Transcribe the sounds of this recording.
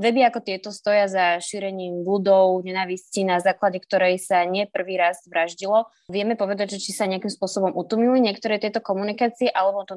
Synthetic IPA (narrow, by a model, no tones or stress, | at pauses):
ʋɛbiakɔt̪ɪɛt̪ɔst̪ɔjazaʃiːɾɛɲiːmbud̪ɔʊɲɛnaːʋiscinazaːklaɟɛkt̪ɔɾɛjsaɲɪɛpr̩ʋiːɾazʋɾaʒɟilɔ | ʋɪɛmɛpɔʋɛd̪aɟʒɛt͡ʃisaɲɛakimspʊɔsɔbɔmʔut̪umɲiliɲɪɛkt̪ɔɾɛt̪ɪɛt̪ɔkɔmunikaːt͡siɛʔalɛbɔt̪ɔ